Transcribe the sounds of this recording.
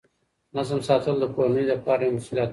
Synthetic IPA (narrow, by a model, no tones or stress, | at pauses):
nazəmsɑːt̪əld̪əponid̪əpɑːɾamʊskilɑt̪